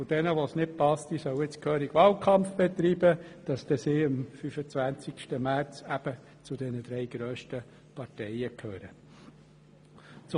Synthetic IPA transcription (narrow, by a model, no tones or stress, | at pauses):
ʊd̥ɛnəʋosnɪt̚pɑst̪isœwɪt͡skʰøːɾiɡ̥ʋɑːlkʰɑmfb̥ɛt̪ɾiːb̥əd̥ɑst̪ɛsiːɪmfyfət͡sʋænt͡sɪkʃtəmæɾt͡sæb̥ə | t͡sʊd̥ɛnəd̪ɾɛɪɡ̥ɾøːʃtə | pɑɾtɛjəkʰhøːɾə | t͡s